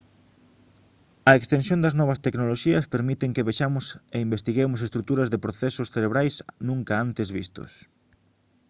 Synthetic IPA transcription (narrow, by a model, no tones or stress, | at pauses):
ɐekst̪ensjõnd̪ɐznɔβɐst̪eknoloʃiɐspeɾmit̪eŋkeβaʃamʊseimbest̪iɣemʊs̬est̪ɾuk̚t̪uɾɐzðɪpɾoθesʊsθeɾeβɾajsnũŋkaant̪ezβḭst̪o̰s